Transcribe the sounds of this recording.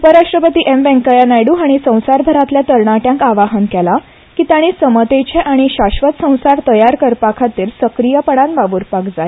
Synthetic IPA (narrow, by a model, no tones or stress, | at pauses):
upəɾaʂʈɾəpət̪iːʔemʋɛ̃ŋkajanajɽuaɽ̃isə̃w̃saɾbʱəɾat̪ljat̪əɾɳaʈjãŋkaʋaɦənkɛla | kit̪aɽ̃isəmət̪et͡ɕʰeʔaɽ̃iɕaɕʋət̪sə̃w̃saɾt̪əjaɾkəɾpakʰat̪iːɾsəkɾijəpəɽ̃ãnbaʋuːɾpakd͡zae